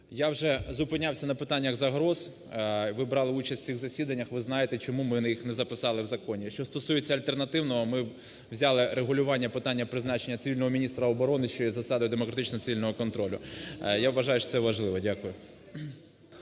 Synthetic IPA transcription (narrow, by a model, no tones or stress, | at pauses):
jawʒɛzʊpɪnʲawsʲɐnɐpɪt̪ɑnʲːjɐɡzɐɦɾɔz̥ | ʋɪbɾɑlˠɪut͡ʃɐsʲsʲiɣzɐsʲid̪ɐnʲːɐxʋɪznɑjet̪ɛt͡ʃɔmumɪnjixnɛzɐpɪsɑlˠɪwzɐkɔnʲiʃt͡ʃɔst̪ɔsujet͡sʲːɐɐlʲt̪ernɐt̪ɪwnɔɦɔmɪ | wzʲɑlˠɪɾeɦʊlʲʊʋɑnʲːɐpɪt̪ɑnʲːɐpɾɪznɑt͡ʃenʲːɐt̪sɪilʲnɔɦɔmʲinʲist̪ɾɐɔbɔɾɔnɪʃt͡ʃɔjɛzɐsɑd̪ɔjʊd̪emɔkɾɐt̪ɪt͡ʃnɔt̪sɪʋʲilʲnɔɦɔkɔnt̪ɾɔlʲʊjaʋːɐʒɑjʊʃt͡ʃɔsɛʋɐʒlˠɪʋɔdʲakʊjʊ